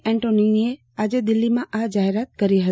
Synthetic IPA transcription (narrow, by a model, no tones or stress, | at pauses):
ɛ̃ːɳʈoninie | aːd͡ʑed̪ɪlːimãʔaɦd͡ʒaːɦɪɾaːt̪̚kɐɾiɦɐ